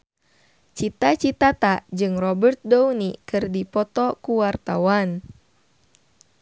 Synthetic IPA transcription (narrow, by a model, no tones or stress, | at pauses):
t͡ʃit̪at͡ʃit̪at̪ad͡ʒɨŋrɔbərt̪̚dɔwnikɨrdipɔt̪ɔkuwart̪awan